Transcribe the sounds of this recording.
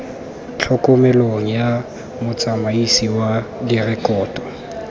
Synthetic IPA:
t͡ɬʰɔkʼɔmɛloŋ̩ja | mʊt͡sʼamaisiwadirɛkʼɔːtʼɔ̥

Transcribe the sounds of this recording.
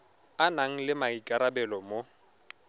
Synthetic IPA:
anaŋ̩lɪmaikʼaɾabɛlɔmo

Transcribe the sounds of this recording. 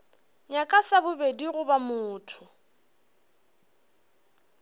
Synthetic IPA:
ɲakʼasabʊbediɣʊbamʊːtʰʊ

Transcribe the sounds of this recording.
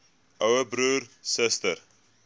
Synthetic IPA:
ʔœwəbɾuːrsəstər

